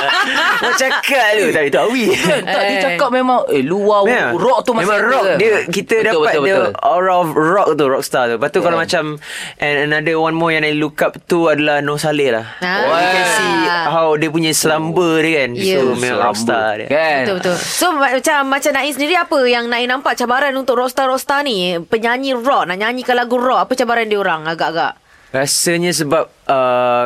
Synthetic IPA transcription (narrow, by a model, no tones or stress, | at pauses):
wat͡ʃakaʔt̪ut̪apit̪uawikant̪aʔdiət͡ʃakap̚memãŋeluwamɾɔk̚t̪umamẽmãɾɔkdiəkit̪ədabəpat̪bədəɔɾaɔfrɔk̚t̪uɾɔk̚st̪at̪ubat̪ukalamat͡ʃamʔɛnənadəwanmɔjaŋnailukap̚t̪uadalahnɔ̃saləla̰hɛnsiɦawdiəp̬uɲəsəlambədəɡaniumeaɔ̰kst̪adə̰bt̪bət̪ʊlsoat͡ʃamːat͡ʃamnãisəndiɾiapəjaŋnãinãmpaʔt͡ʃabaɾanunt̪ʊkrɔk̚st̪aɾɔk̚st̪anipəɲaɲĩrɔk̚naʔɲaɲikalaɡurɔk̚apət͡ʃabaɾandiəoɾaŋaɡaʔaɡa̰ʔ | ɾasəɲəs̬əbap̚ə